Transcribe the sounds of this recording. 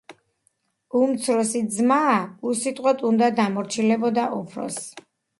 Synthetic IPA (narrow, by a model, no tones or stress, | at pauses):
umt̪sʰɾɔsizmaːusit̪ʼqʼwɛt̪ʼund̪ad̪amɔɾt͡ʃʰilɛbɔd̪aʔɔpʰɾɔ̰s